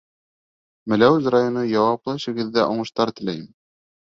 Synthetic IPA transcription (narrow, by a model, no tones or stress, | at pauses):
mɘ̆læwzrajonɤjɑwɑplˠɤʃɘ̆ɡɘ̆ðːæʔoɴɤ̆ʃt̪ɑɾt̪ɘ̆læjɘm